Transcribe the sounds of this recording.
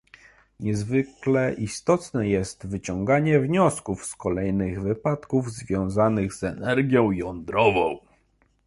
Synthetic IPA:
ɲɛzvɘklɛʔist̪ɔt̪nɛjɛst̪vɘt͡ɕɔŋɡaɲɛvɲɔskufskɔlɛjnɘɣvɘpat̪kuvzvʲjɔ̃w̃zanɘɣzɛnɛɾɡʲjɔ̃w̃jɔnd̪ɾɔvɔ̰̃w̃

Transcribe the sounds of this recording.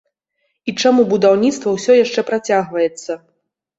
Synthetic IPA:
it͡ʂamubud̪awnʲit̪st̪vɐwsʲɔjaʂt͡ʂɛpɾat͡sʲaɣvɐjɛt̪sːɐ

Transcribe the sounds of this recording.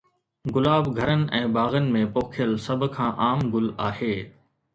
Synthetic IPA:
ɡʊlaːbɡʱɐɾənɪ̆ʔɛ̃ːbaːɣənɪ̆mẽːpoːkʰjəlsɐbʱkʰãːʔaːmɡʊlaːɦeː

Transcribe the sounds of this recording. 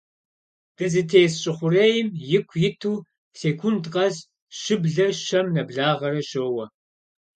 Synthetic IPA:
d̥ɨzɨtʰeːsɕʼɪχʷʊreːjɪmjɪkʷʰjɪtʰuː | seːkʷʰʊntqʼɐz | ʃɨbɮɐʃɐmnɐbɮaːʁɐɾɐɕoːwɐ

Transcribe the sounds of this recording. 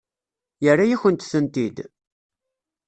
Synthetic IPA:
jərːajæçənt̪θənt̪id̪

